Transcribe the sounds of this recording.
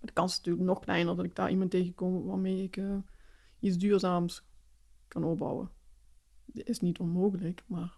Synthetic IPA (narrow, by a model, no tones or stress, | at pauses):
madəkɑnsnatyːləknɔxklɛ̰jnərdɑtɪɡ̚d̥a̰rʔimɑnteːɣəkɔmʋaːmeːɪkə | it͡sdyːrzaːms | kɑnɔp̚bɑ̰wə̰ | ɪsnitʰɔnmoːɣələkmar